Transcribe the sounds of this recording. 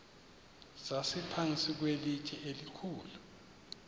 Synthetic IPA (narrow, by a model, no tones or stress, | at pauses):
z̥asipʰant͡sʼik̬welit͡ʃʼɛʔelikʰuːlu